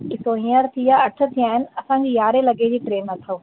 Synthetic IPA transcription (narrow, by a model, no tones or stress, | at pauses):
ɪsoĩjəɾt̪ʰijaɐʈʰə̆t̪ʰijaːɦɪnɪ̆ɐsãd͡ʑejaːɾelɐɡed͡ʑiːʈɾeːnːɐt̪ʰoː